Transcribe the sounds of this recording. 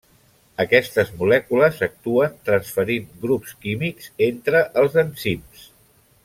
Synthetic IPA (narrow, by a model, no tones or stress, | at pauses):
əkɛst̪əzmulɛkuləzək̚t̪uənt̪ɾənsfəɾinɡɾupskimikz̥ent̪ɾəʔəlˠzənsims